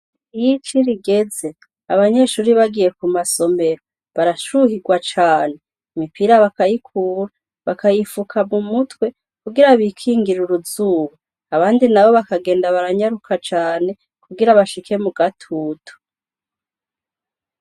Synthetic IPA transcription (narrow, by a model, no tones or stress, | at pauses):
ijit͡ʃiɾiɡe̞ze̞ | aβaɲe̞ʃuːɾiβaɡije̞kumaso̞me̞ɾo | βaɾaʃuhiɡwat͡ʃaːne̞ | imipiɾaβakajikʰuːɾa | βakajifukʰamumutwe̞ | kuɡiɾaβikʰiːŋɡiɾuɾuzuːwu | aβaːndinaβo̞βakaɡe̞ːndaβaɾaɲaɾukʰat͡ʃaːne̞ | kuɡiɾaβaʃikʰe̞muɡatʰuːtʰo̥